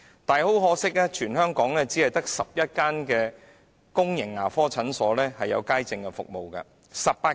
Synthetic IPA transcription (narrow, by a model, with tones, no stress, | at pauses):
t̪aː˨jho˨˥wɦɔː˨˥sɪ˥k̚lɛː˥t͡ʃʰyː˨˩nɦœː˥ŋkɔː˨˥ŋlɛː˥t͡siː˨˥ɐ˨jt̪ɐ˥k̚sɐ˨p̚jɐ˥t̚kaː˥nkɛː˧ | kʊ˥ŋjɪ˨˩ŋːaː˨˩fɔː˥t͡sʰɐ˨˥nsɔː˨˥lɛː˥hɐ˨jːɐ̰˨˧wkaː˥jt͡sɪ˧ŋkɛ˧fʊ̰˨k̚mo˨wkɐ̰˧ | sɐ˨p̚paː˧